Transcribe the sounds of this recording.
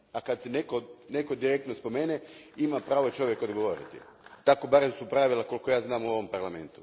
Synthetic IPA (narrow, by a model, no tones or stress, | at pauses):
akad̪senekone̞ko̞d̪iɾek̚t̪nospo̞meːneimapɾaːʋot͡ʃo̞ʋjekod̪ɡo̞ʋo̞ɾḭt̪ḭ | t̪ako̞baɾemsupɾaʋilako̞lko̞jaːznaːmuo̞ʋo̞mpaɾlame̞̰nt̪u